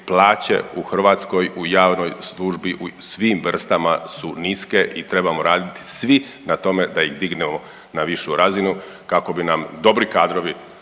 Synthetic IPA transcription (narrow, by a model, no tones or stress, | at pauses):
plˠaːt͡ɕe̞̰uxr̩ʋaːt̪sko̞jujaːʋno̞jslˠuʒbiʔusʋiːmʋr̩st̪amasuniske̞ʔit̪ɾe̞bamo̞ɾaːd̪it̪i̥sʋi | nat̪o̞me̞d̪aixd̪iɡnemo | naʋiʃuɾazinu | kako̞binamd̪o̞bɾikaːd̪ɾo̞ʋi